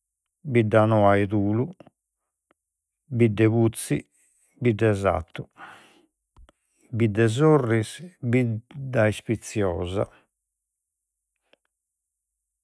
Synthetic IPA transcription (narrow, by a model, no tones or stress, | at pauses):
bidːanɔajt̪uːlu | bid̪ːɛβut̪si | bid̪ːɛza̰t̪ːu | bid̪ːɛzorːisbid̪aispit̪sjɔːza̰